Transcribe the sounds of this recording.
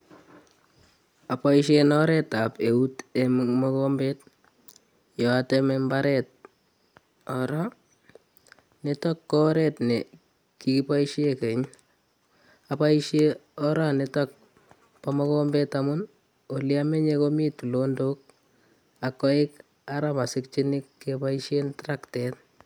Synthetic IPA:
apaiʃenɔɾɛtapeutemmɔkombet | jɔatemembaɾɛt̚ | ɔɾa | netɔkːɔɾɛtnɛ | kikipaiʃekeɲ | apaiʃeɔɾanetɔk̚ | pamɔkombetamʊn | oliameɲekomitulondok̚ | akːɔɪk | aɾamasɪk̚t͡ʃinɪkːepaiʃentɾaktɛt

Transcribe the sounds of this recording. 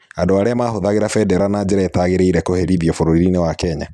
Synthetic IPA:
andoaɾeamaːɦoðaɣeɾafɛdɛɾanad͡ʑeɾaetaɣeɾeiɾɛkoheɾiðjɔfoɾoɾiɾinewakɛɲa

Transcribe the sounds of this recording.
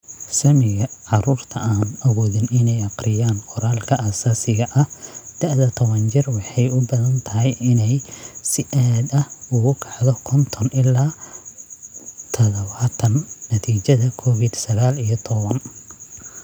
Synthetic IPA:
sɐmɪɣɐʕɑɾuːrt̪ʰɐʔaːnɐɣɔːðɪnɪnɛjɑqrɪjaːnqɔɾaːlkʰɐasaːsɪɣɐʔɐhd̪̥ɛʕðɐt̪ʰɔβɐnt͡ʃɪrwɑħɑjʊbɐðɐnt̪ʰɐɦɛjɪnɛjsɪʔaːd̪ɐhʊɣʊkʰɑ̥ʕðɔkʰɔnt̪ʰɔnɪlaː | t̪ʰɔðɔβaːt̪ʰɐnːɐt̪ʰiːt͡ʃɐðɐkʰɔβɪd̪sɐɣaːlijɔt̪ʰɔβɐn

